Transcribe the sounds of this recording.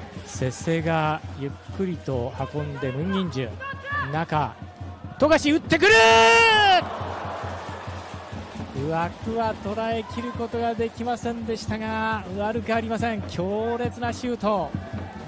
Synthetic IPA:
se̞se̞ɡajɯ̟kʰːɯ̟ɾʲit̪o̞hakõ̞nd̪e̞mɯ̟̃ɲ̟ːĩɲd͡ʑɨ̰̃naka̰ | t̪o̞ɡaɕiɯ̟t̪ːe̞k̬ɯ̟ɾɯ | ɯ̟βakɯ̟βat̪o̞ɾae̞kʲiɾɯ̟ko̞t̪o̞ɡad̪e̞kʲimasẽ̞nd̪e̞ɕi̥t̪aɡaɯ̟aɾɯ̟kɯaɾʲimasẽ̞ŋkʲʰo̞ːɾe̞t͡sɨnaɕɨːt̪o̞

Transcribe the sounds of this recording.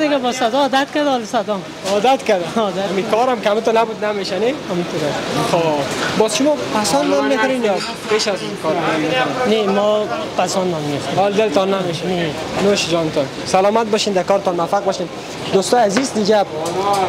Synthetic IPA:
d̪ɪɡabɔsad̪ɔːd̪at̪kad̪ɔlɪsad̪ɔm | ɔd̪at̪kad̪ad̪amikɔɾamkhamit̪onabud̪nameʃanehmit̪ʰoɾaxobɔzʃʊmɔpʰasɔnnɔmmek̪ɔɾenjɒ | peʃazuzkʰɔɾnɔmːek̪ɔɾennemɔ | pasɔnːɔmːeft̪ihɔld̪ɪlt̪ɔnːameʃane | noʃd͡ʒɔnɪt̪ʰɔn | salɔːmat̪̚bɔʃind̪akɔːɾɪt̪ɔnmafaq̚bɔʃin | d̪ost̪ɔːjazizd̪id͡ʒab̚

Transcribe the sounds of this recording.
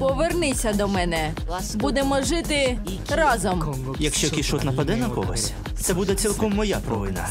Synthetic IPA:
pɔʋernɪt͡sʲːɐd̪ɔmɛnɛ | bud̪emɔʒɪt̪ɪ | ɾɑzɔm | jɐkʃt͡ʃɔkʲiʃɔt̪nɐpɐd̪ɛnɐkɔ̰ɦɔ̰sʲ | t̪sɛbud̪ɛt͡sʲilˠkɔmːɔjapɾɔʋɪnɐ̰

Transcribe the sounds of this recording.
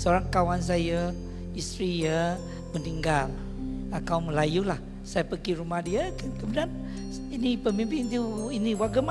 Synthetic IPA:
səoɾaŋkawans̬ajə | ist̪ɾijə | məniŋɡal | akauməlajulah | sajapəɡiɾumahdiəkkəbənan | inipəmimpɪŋnt̪uiniwaɡəma

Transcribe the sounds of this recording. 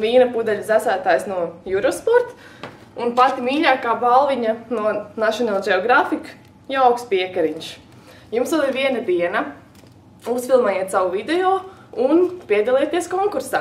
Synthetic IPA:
viːnapud̪ɛʎʲzæsæːt̪aːjsnuɔjuɾɔspɔɾt̪ | unpat̪imiːʎʲaːkaːbalˠʋiɲanuɔnaʃɔnalˠd͡ʒɛɔɡɾafik | jaaʊwkspiɛkaɾiɲʃ | jumsʋɛlˠiɾʋiɛnad̪iɛnɐ | usfilˠmajeɛt̪saʋuvid̪ɛɔː | unpiɛd̪alˠiɛt̪iɛskɔŋkuɾsa̰ː

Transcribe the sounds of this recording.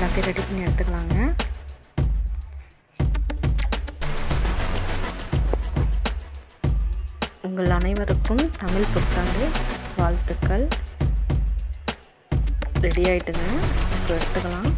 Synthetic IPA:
kɐkɐɾɐɽɪpːɪnɛɽɯt̪ːɯkːɐɭaːŋɡɐ | ʊŋɡɐɭɐnɐɪʋɐɾɯkːɯmt̪ɐmɪlpʊkːaːŋdɯʋaːlt̪ɯkːɐɭ | ɾɛɽɪjaːjɪʈːɯŋɡɐpːɐɛɽɯt̪ːɯkːɐɭaːm

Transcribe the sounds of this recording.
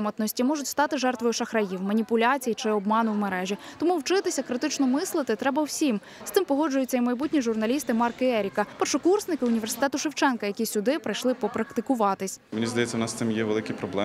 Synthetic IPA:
mɔt̪nɔsʲtʲimɔʒʊtʲst̪ɑt̪ɪʒɛrt̪ʋɔjʊʃɐxɾɐjiwmɐnʲipʊlʲat͡sʲijit͡ʃɪɔbmɑnʊwmeɾɛʒʲit̪ɔmuwt͡ʃɪt̪ɪsʲɐkɾɪt̪ɪt͡ʃnɔmɪslˠɪt̪ɪt̪ɾɛbɐwsʲim | st̪ɪmpɔɦɔd͡ʒʊjʊt͡sʲːɐimɐjbutʲnʲiʒʊrnɐlʲist̪ɪmɑrkɪɛɾʲikɐpɐʃɔkursnɪkɪʊnʲiʋʲersɪ̥t̪ɛt̪ʊʃɪwt͡ʃɛnkɐjɐkʲisʲʊd̪ɪpɾɐjʃlˠɪpɔpɾɐkt̪ɪkʊʋɑt̪ɪsʲmenʲizd̪ɐjɛt͡sʲːɐwnɑst̪ɪmjɛʋelˠɪkʲipɾɔblˠɛ

